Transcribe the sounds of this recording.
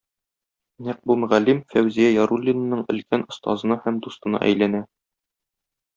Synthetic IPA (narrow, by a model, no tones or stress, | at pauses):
næq̚bumɵ̆ʁælːimfæwzijæjɒɾulʲːin̆ːɤɴɘ̆lkænŏst̪ɑ̰zɤ̆nɑhæmd̪ust̪ɤ̆nɑ̰ʔæ̰jlænæ